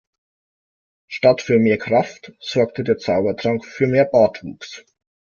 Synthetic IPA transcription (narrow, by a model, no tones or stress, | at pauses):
ʃtatfyːɐmeːɐkʁ̥aftz̥ɔɐk̚tədeːɐt͡saʊbɐtʁ̥aŋkfyːɐmeːɐbaːtvṵːks